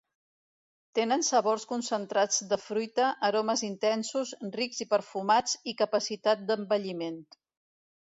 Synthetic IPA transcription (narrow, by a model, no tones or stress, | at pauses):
t̪enənsəβorskunsənt̪ɾad͡zd̪əfɾujt̪əʔəɾoməzint̪ɛnsuzriɡzipəɾfumad͡zikəpəsit̪at̪̚d̪əmbəʎiment̪